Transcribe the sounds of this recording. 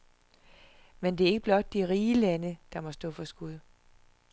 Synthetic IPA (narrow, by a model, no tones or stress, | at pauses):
mend̥e̝æɐeɡ̥əb̥lɒ̽d̥̚ːiʁiːlænəd̥ɑ̈mɒ̽sd̥ɔ̰̽ːfɒ̽sɡ̥uðˠ